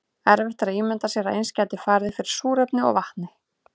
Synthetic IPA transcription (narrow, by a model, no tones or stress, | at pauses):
ɛɾvɛht̪aɾaðiːmɛnt̪asjɛɾaðejnscaːjt̪ɪfaːɾðɪfɪɾɪɾ̥suːɾɛpnɪɔ̰ɣvaht̪nɪ